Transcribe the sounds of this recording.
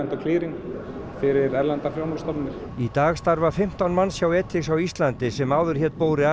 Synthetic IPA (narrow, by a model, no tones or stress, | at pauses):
nt̪ɔkʰliːɾiŋ | fɪɾɪɾɛɾlant̪afljawmɔst̪ɔpnnɪɾ̥ | it̪aːɣst̪aɾvafɪm̥t̪awnmanːsjaːwɛt̪ʰːɪksawist̪lant̪ɪsɛmaːwðʏɾ̥çɛt̪poːwɾɪa